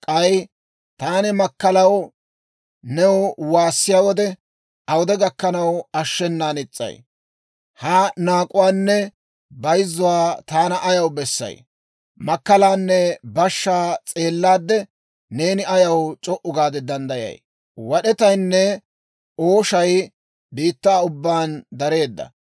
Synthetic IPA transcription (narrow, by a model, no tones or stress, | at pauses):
kʼɐj | t̪aːnɪmɐkːɐlɐw | nɛwʊwaːsːɪjaːwɔd̪ɛ | ɐwɔd̪ɛɡɐkːɐnɐwɐʃːɛnːaːnɪt͡sʼːɐ̰j | hanaːkʼʊwaːnːɛ | bɐjzːʊwaːt̪aːnɐʔɐjɐwbɛsːɐ̰j | mɐkːɐlaːnːɛbɐʃːaːt͡sʼe̞ːlːaːd̪ːɛ | ne̞ːnɪɐjɐwt͡ʃʼɔʔʊɡaːd̪ɛd̪ɐnd̪ɐjɐ̰j | wɐɗɛt̪ɐjnːɛ | oːʃɐj | biːt̪ːaːʊbːaːnd̪ɐɾe̞ːd̪ːɐ̰